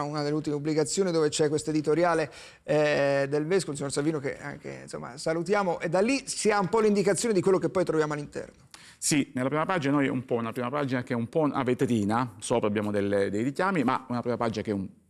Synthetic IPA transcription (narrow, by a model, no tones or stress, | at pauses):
unad̪elːeut̪imeubːliɡat̪sːjoːnid̪oːvet͡ʃɛkwest̪oed̪it̪oɾjaːle | d̪elveskooins̬iɲːoɾsaviːnok̟ḛa̰ŋkḛnso̰mːa̰salut̪jaːmoʔed̪alːisiaumpɔlind̪ikat̪sːjoːned̪ikwelːokepːɔjt̪ɾovjaːmoalːint̪ɛ̰rno | sinelapɾiːmapad͡ʒinanojɛ̰umpɔunapɾiːmapaːd͡ʒinakeɛumpɔna̰vet̪eɾiːnasɔːpɾabːjaːmod̪elːed̪ejɾikʲjaːmima̰unapɾiːmapad͡ʒinakeɛum